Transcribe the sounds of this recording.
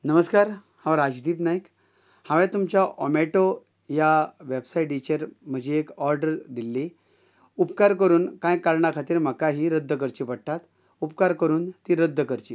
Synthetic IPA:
nəməskaɾ | hãʋaɾad͡ʑd̪iːpnaik | hãʋɛ̃t̪umt͡ɕjaʔɔmeʈo | jaʋebsaiʈɖit͡ɕeɾm̤əd͡ʑʱeːkɔɾɖəɾd̪ilːe | upkaɾkəɾuːnkãjkaɾɳakʰat̪iːɾm̤əkaɦiːɾəd̪ʱːək̬əɾt͡ɕipəɽ̚ʈ̪at̪ | upkaɾkəɾuːnt̪iːɾəd̪ʱːəkəɾt͡ɕi

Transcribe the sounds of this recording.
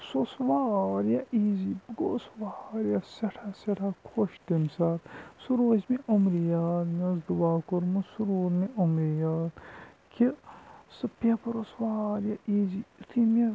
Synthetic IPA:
sosʋaːɾjaʔiːzibəɡosʋaːɾjaseʈʰaseʈʰakʰoʃt̪imsaːt̪suɾoːzmiʔomɾijaːt̪nɐzd̪uwaːkoɾmusuɾuːɾniʔomɾijaːt̪ | kʰisɨpepɾosʋaːɾjaʔiːzit̪ʰimʲe

